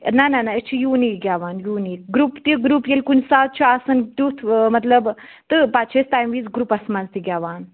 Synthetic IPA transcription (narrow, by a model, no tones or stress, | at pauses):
nɐnɐnaet͡ʃʰijuːnikɡʲaːʋaːnjuːniːkɡɾupt̪iɡɾupjelʲkunsaːt̪̚t͡ʃʰiasɐnt̪ut̪ʰmɐt̪lɐb | t̪ɨpat͡ʃʰest̪aːjmʋiːzɡɾuːpɐsmɐnzt̪iɡʲaːʋaːn